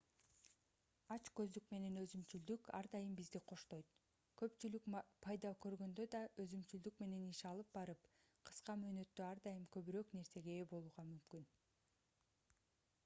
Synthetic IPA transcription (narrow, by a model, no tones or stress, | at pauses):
ɑt͡ʃkø̞zd̪ykme̞ne̞nøzymt͡ʃyld̪ykɑ̰ɾd̪ɑjɯmbizd̪iqʰo̞ʃt̪o̞jt̪ | kø̞pt͡ʃylykpʰɑjd̪ɑkø̞ɾɡø̞nd̪ød̪ɑøzymt͡ʃyld̪ykme̞ne̞niʃɑlˠɯp̚bɑɾɯp | qʰɯ̥sqɑmøːnø̞t̪ːøɑɾd̪ɑjɯmkø̞βyɾøkne̞ɾse̞ɡe̞ːbo̞lˠuʁɑmymkyn